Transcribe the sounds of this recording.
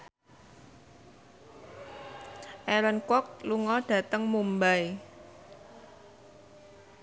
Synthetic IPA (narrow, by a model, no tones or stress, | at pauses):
ʔɛlənkɔk̚luŋɔɖ̥ä̤t̪əŋmumbaj